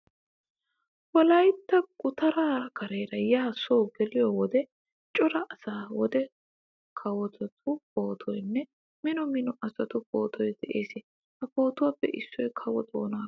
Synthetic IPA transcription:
wɔlɐjt̪ːɐɡʼʊt̪ɐɾaːkɐɾeːɾɐjaːsɔwɡɛlɪjɔwɔd̪ɛ | t͡ʃʼɔɾɐʔɐsaːwɔd̪ɛ | kʰɐwɔt̪ɔt̪ʰʊpo̞ːt̪ʰɔjnːɛ | mɪnɔmɪnɔʔɐsɐt̪ʊpo̞ːt̪ʰɔjd̪ɛʔeːsɪ | ɐpo̞ːt̪ʊwaːpːɛ̰ʔɪsːɔjkʰɐwɔt̪o̰ːnaː

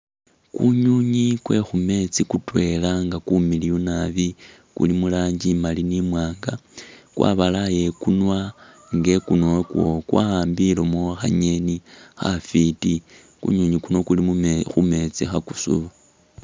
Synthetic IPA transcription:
kuɲuɲikwe̞xume̞t͡sikutwe̞laŋɡakumilijunaβi | kṵlimulaːɲd͡ʒimalinimwaːŋɡakwʔa̰ːβalaje̞kunwa | ŋɡe̞kunokwo̞̰kwa̰haːmbilomoxa̰ɲe̞nixa̰fiti | kṵɲuɲikuno̞kulimumexume̞t͡sixakusṵβu

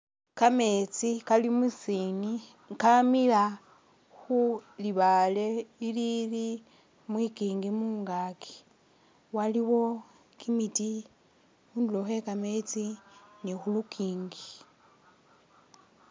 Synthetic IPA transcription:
kame̞t͡sikalimusini | ŋkamila | xuliβale̞ilili | mwikiːŋɡimuːŋɡaki̥ | waliwo̞ | kʰimiti | uːnduloxe̞kame̞t͡sinixulukʰiːŋɡi

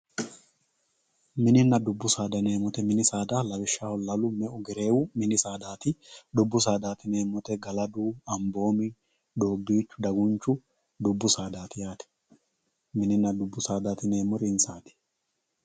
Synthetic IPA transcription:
mɪnɪnːɐd̪ʊbːʊsaːd̪ɐneːmɔt̪ɛmɪnɪsaːd̪alɐbɪʃːaːhɔlɐlʊmɛʔʊɡɛɾe̞ːwʊmɪnɪsaːd̪aːt̪ɪd̪ʊbːʊs̬aːd̪aːt̪ɪneːmɔt̪ɛɡɐlɐd̪uːɐmbo̞ːmɪ | d̪o̞ːɡd̪iːt͡ʃːʊ̥d̪ɐɡʊnt͡ʃːʊ | d̪ʊbːʊsaːd̪aːt̪ɪjaːt̪ɛ̥ | mɪnɪnːɐd̪ʊbːʊsaːd̪aːt̪ɪneːmɔɾɪnsaːt̪ɪ̥

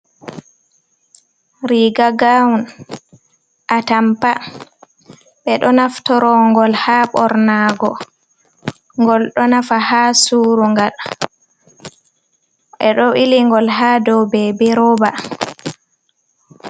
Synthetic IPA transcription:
ɾiɡaɡawun | ʔatampa | ɓɛɗɔnaftɔɾɔŋɡɔlhaːɓɔɾnaɡɔ | ŋɡɔlɗɔnafahaːsuːɾuŋɡal | ɓɛɗɔʔiliŋɡɔlɦaːdɔwbɛbɛɾɔba

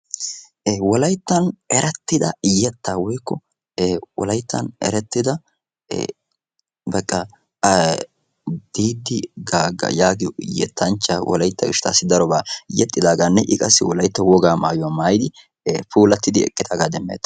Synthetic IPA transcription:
wɔlɐjt̪ːɐnɛɾɛt̪ːɪd̪ɐjɛt̪ːaːwɔjkːɔ | wɔ̰lɐjt̪ːɐnɛ̰ɾɛt̪ːɪd̪ɐ̰ | bɛkʼːɐ | d̪̥iːd̪ɪɡaːɡɐ̰jaːɡɪ̰jɛ̰t̪ːɐnt͡ʃːawɔ̰lɐjt̪ːɐɡɪʃɪ̥t̪a̰ːsːɪd̪ɐɾɔbaːjɛt̪ʼːɪd̪aːɡaːnːɛʔɪkʼɐsːɪwɔlɐjt̪ːɔwɔɡaːma̰ːjʊwamaːjɪd̪ɪ | puːlɐt̪ːɪd̪ɪɛ̰kʼːɪt̪aːɡaːd̪ɛmːḛːt̪ːɐ̥

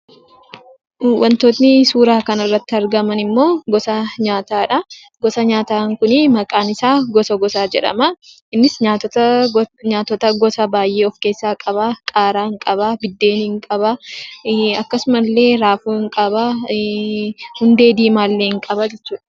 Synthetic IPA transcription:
wʔɐnt̪oːt̪nɪsuːɾaːkɐnɐrːɐt̪ːɪɐɾɡɐmɐnɪmːo̞ːɡɔsɐɲaːt̪aːᶑɐ | ɡɔsɐɲaːt̪aːŋkʊnɪmɐkʼaːnɪsaːɡɔsɐɡɔsaːd͡ʒɛ̰ᶑɐ̰mɐ | ɪnːɪsɲaːt̪ | ɲaːt̪ɔt̪ɐɡɔsɐbaːjʔe̞ːɔfke̞ːsːaːkʼɐbɐkʼaːɾaːhɪŋkʼɐbɐbɪd̪ːe̞ːnhɪŋkʼɐbɐ | ɐkːɐsʊmɐlːe̞ːɾaːfuːɪŋkʼɐbɐ | hʊnd̪e̞ːd̪iːmaːlːeːɪŋkʼɐbɐd͡ʒɛt͡ʃːuːᶑɐ̥

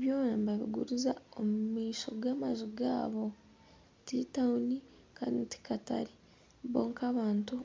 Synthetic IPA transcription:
eβjo̞ːnambaβḭɡṵɾuzaomumiːʃo̞ɡaːmazuɡa̰ːβo̞ | titauni | kaniti̥kata̰ɾi | βo̞ːŋkaβaːntu

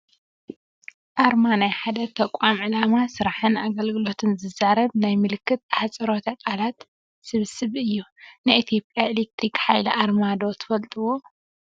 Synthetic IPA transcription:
ʔaɾmanajħad̪ɐt̪ʰɐkʷʼamʕɨlamasɨɾaħɨnaɡɐlɡɨlo̞t̪ʰɨnzɨzaɾɐβnajmɨlɨkːɨt̪aħat͡sʼɐɾo̞t̪ʰɐkʼalat̪ | sɨβsɨβɨjːunɨʔit̪ʰijo̞pʼjaelek̚t̪ɾikħajliʔaɾmad̪o̞t̪ʰɨ̥fɐlt̪ʼuwo̞

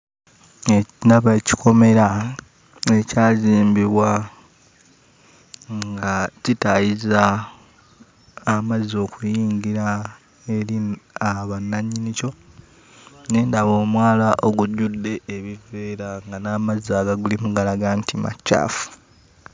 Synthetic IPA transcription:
enaβaci̥kʰo̞me̞ɾa | ecaːziːmbiβwa | ŋɡacitajiza | mazo̞ːkujiːɲɡiɾa | e̞ɾiaβanːaɲinico̞ | ne̞ːndaβo̞ːmwaːlaʔo̞ɡuɟudːe̞ːβive̞ːɾaŋɡanaːmazaːɡaɡulimuɡalaɡantima̰ca̰ːfu̥

